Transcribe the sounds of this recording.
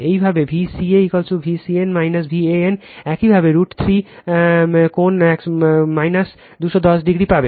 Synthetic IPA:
eibʱabebʱisieikɔlt͡ʃubʱisienmajnəsbʱieenɛkibʱabeɾuʈt̪ʰɾi | konɛkmajnəs | d̪usɔd̪ɔsɖiɡɾipabe

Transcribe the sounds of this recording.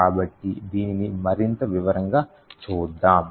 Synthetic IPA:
aːbɐʈːid̪iːnːimɐɾint̪ɐʋiʋɐɾɐŋɡaː | t͡ʃuːd̪ːaːm

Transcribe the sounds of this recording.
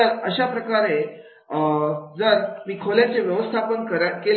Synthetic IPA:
əɾəɕapɾəkaɾe | d͡zəɾmiːkʰoljat͡ɕeʋjəʋəst̪ʰapənkəɾakel

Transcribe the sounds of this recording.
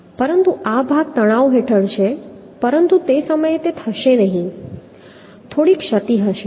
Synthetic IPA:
pəɾənt̪uabʱaɡ̚t̪əɽ̃aʋoɦeʈʰəɭt͡ʃʰe | pəɾənt̪ut̪esəməjet̪et̪ʰəʃenəɦĩ | t̪ʰoɽikʃət̪iɦəʃe

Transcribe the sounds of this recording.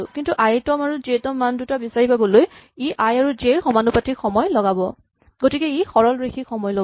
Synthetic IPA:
kintuʔajtɔmaɹuzetɔmːandutabisaɹipabɔloj | iʔajaɹuzeɹxɔmanupatixɔmɔjlɔɡabɔ | ɡotikɛixɔɹɔlɹexʰixɔmɔjlɔ

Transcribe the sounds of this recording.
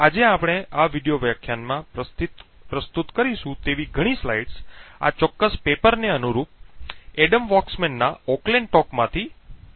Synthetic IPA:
ad͡ʒeapɽ̃eaʋiɖijoʋjakʰːjanmã | pɾəst̪ut̪kəɾiʃũt̪eʋiɡʱəɽ̃islaiɖsa̰t͡ʃɔkːəspepəɾneənuɾup̚eɖəmʋɔksmenːaɔkleɳɖʈɔkmãt̪ʰi

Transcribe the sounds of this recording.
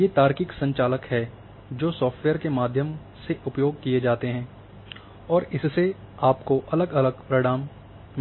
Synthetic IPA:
jeːt̪aːɾkɪksɐ̃ɲt͡ʃaːləkɦɛ | d͡ʒoːsɔːfʈweːəɾkemaːd̪ʱjəm | seʔʊpjoːɡ̚kied͡ʒaːt̪eɦɛ̃ː | ɔːɾɪsːe | aːpkoʔɐləɡɐləɡpɾɐɽaːmː

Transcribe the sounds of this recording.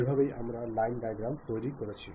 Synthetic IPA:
ibʱabeja̰mɾalajnɖajɡɾawɳɖ̚t̪ojɾikoɾet͡ɕʰi

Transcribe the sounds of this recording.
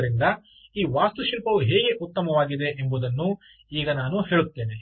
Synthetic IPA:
ɾind̪ɐ | iːʋaːst̪uʃiːɾpɐʋuɦeːɡe̞ʔut̪ːɐmɐʋaːɡid̪e̞ʔembud̪ɐnːu | iːɡɐnaːnuɦe̞ːɭut̪ːe̞ːne

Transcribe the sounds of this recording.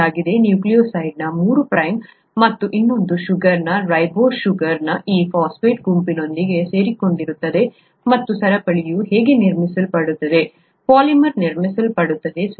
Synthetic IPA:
aːɡid̪e̞njuːklijoːsɐjɖnɐmuːɾupɾɐjmː | ɐt̪ːuʔinːo̞nd̪uʃuɡɐɾnɐɾɐjboːʃuɡɐɾnɐʔiːpʰaːspeːʈɡumpino̞nd̪iɡe̞se̞ːɾiko̞ɳɖiɾut̪ːɐd̪e̞ | mɐt̪ːusɐɾɐpɐɭijuɦeːɡe̞niɾmisɐlpɐɽut̪ːɐd̪e̞ | paːlimɐɾniɾmisɐlpɐɽut̪ːɐd̪e̞s

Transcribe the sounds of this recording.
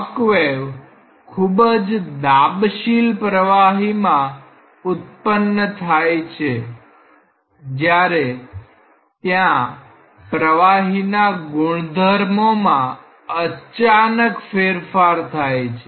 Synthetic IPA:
kʋeʋ | kʰubəd͡ʒd̪abʃilpɾəʋaɦimã | ut̪̚pənːət̪ʰajt͡ʃʰe | d͡ʒjaɾe | t̪jã | pɾəʋaɦinaɡʊɳ̃d̪ʱəɾmomã | ət͡ʃanəkfeɾfaɾt̪ʰajt͡ʃʰe

